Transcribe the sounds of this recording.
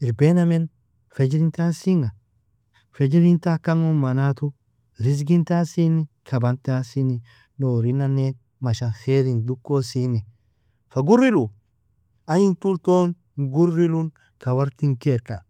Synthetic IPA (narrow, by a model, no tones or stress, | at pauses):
ɪɾbenɐmen | fɛd͡ʒɾint̪asiŋa | fɛd͡ʒɾint̪akaŋomanat̪ʊ | ɾɪs̬ɡint̪asinikʰɐbant̪asini | noːɾinanːe | mɐʃaxeːɾind̪ukːosini | faɡʊɾːɪlu | ajint̪ult̪on | ɡʊrːilun | kɐwɐɾt̪iŋkekːa